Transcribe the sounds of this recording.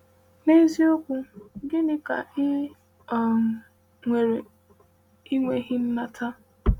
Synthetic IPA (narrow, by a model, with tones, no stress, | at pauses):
ne˦zi˦o˦kʷʊ˦ɡɪ˦nɪ˦ka̰˨˦˨ | ŋʷe˨ɾe˨ | i˦ŋʷe˦ɦɪ˦m̩˦ma˦tʰa˦